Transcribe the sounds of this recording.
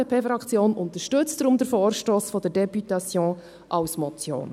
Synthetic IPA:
əpʰefɾɑkt͡sjoːnʊnt̪əʃtɵt͡sd̥ɾʊmd̪əɾfɔːɾʃtoːsfɔd̪ədɛpyt̪ɑsjɔ̃ː | ʔɑwsmɔt͡sjo̰ːn

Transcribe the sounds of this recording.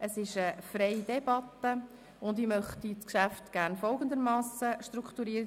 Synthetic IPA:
ʔəsɪʃəfrɛjdɛbɑt̪ːə | ʊnd̪imœχt̪it͡skʃæftɡ̥æːɾnfɔlˠɡənd̪əɾmɑːsəʃtɾukχt̪uɾiːə

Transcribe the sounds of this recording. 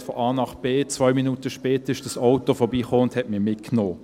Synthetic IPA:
fɔʔɑːnɑχb̥eːt͡sʋœʏminutəʃpɛːtəʁɪʃd̥ɑsaʊtofɔɐbiːχoːʊnthɛtmiːɐmɪtknoː

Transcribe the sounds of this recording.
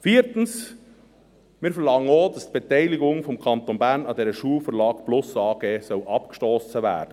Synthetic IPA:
fiːɾtən̩s | mɪːɾfɛɾlɑŋənoːdɑstb̥etɛɪlɪɡʊŋfɔmkʰɑnt̪onbæɾnɑdɛɾəʃuːəlfəɾlɑːkb̥lʊsɑːɡeːsœlʔɑpkʃtɔːsəvæ̰ːɾd̥ə

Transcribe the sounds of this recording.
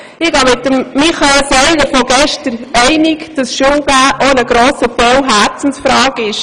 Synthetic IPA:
ɪɡ̥ɑmɪtəmːiχɑelsœɪləɾfɔɡɛʃtəɾɛɪnɪkd̥ɑsʃʊmɡ̥æːʔonəɡ̥ɾoːsəbœwɦæɾt͡sn̩sfɾɑːɡɪʃ

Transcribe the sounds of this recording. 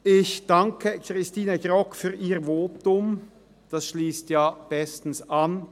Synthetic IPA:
ʔɪçd̥aŋkʰəkʁɪstiːnəɡʁɔkfyːʁiːʁvoːtʊm | d̥asʃliːstjaːb̥ɛstn̩san

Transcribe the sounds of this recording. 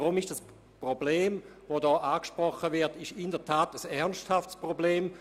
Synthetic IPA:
ʁumɪʃd̥as | pʁobleːmvodɔːʔaːkʃpʁɔχəvɪɐtɪʃɪndəɐtʰaːtəsɛʁnsthaftspʁobleːm

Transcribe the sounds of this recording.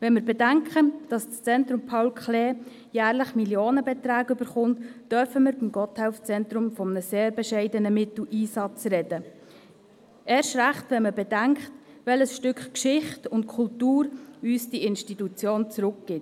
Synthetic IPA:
ʋɛnmɪɾbɛdæŋkχəd̥ɑst͡st͡sɛntɾʊmpʰawlkχleː | jæːɾləχmiljoːnəbɛt̪ɾæːɡøbəɾχʊnttœɾfəməɾbimɡɔthɛʊft͡sɛntɾʊmfɔmənəseːɾbɛʃɛɪdənəmɪtl̩iːsɑt͡sɾɛdə | ʔɛːɾʃɾæχtʋɛnməbɛd̥æŋkχt | ʋɛləsʃtʏkχkʃɪχtʊntkʰultuːɾyːsd̥iɪnʃtitut͡sjoːnt͡sɾʊkɡ̥ɪt

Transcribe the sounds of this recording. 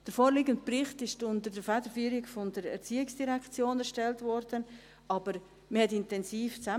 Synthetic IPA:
d̥əɾfoːɾliːɡənt̚prɪχtɪʃtʊndəɾdəfɛdəɾfyːɾɪkfɔndəɾɛ̰ɾt͡siːɪksd̥iɾɛkt͡sjoːnɛɾʃtɛltvɔɾdən | ɑb̥əɾ | məhɛtɪntɛnsiːft͡sa

